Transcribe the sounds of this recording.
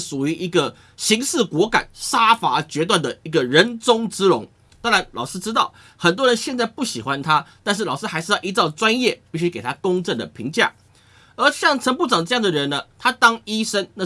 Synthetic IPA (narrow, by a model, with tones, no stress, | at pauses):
ʂu˨˩y˧˥ʔi˧˥ɡə˧ | ɕi˧˥ŋʂɹ̩˥˩kwɔ˧˥ka̰˨˩˦nʂa˥fa˧˥t͡ɕɥɛ˧˥t̪wa˥˩nd̪ə˩i˧˥ɡə˨ɻə˨˧˥nt͡sʊ˥ŋt͡sɹ̩˥ɻʊ˧˥ŋ | t̪ɑ˥ŋɻa˧˦˥nlɑ˨˩ʊʂɻ̩˥ʈ͡ʂɻ̩˥t̪ɑ˥˩ʊ | xə˨˩nt̪̬wɔ˥ɻə˧˦nɕjɛ˥˧nt͡sa˥˧ɪpu˥˩ɕi˨˩xwa˦nt̪ʰa˥t̪a˥˧nʂ̬ɻ̩˥˩lɑ˨˩ʊʂɻ̩˥xa˧˥ɪʂɻ̩˥˧ji˧˥t͡sɑ˥˧˩ʊt͡swa˥njɛ˥˩pi˥˩ɕy˥ke˨˩ɪt̪ʰa˥kʊ˥ŋʈ͡ʂə˥˩nd̪ə̰˩pʰḭ˧˥ŋt͡ɕja̰˥˩ | ə˞˧˥ɕjɑ˥˩ŋʈ͡ʂʰə˧˥npu˥˩ʈ͡ʂɑ˨˩ŋəʈ͡ʂɤ˥˧jɑ˥˨˩ŋd̪ə˩ɻə˧˦nə˧t̪ʰa˥t̪ɑ˥ŋi˥ʂə˥nna˥˧